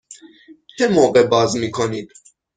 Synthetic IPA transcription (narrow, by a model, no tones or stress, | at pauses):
t͡ʃʰɛmɔʁɛbazmikʰɔnit̪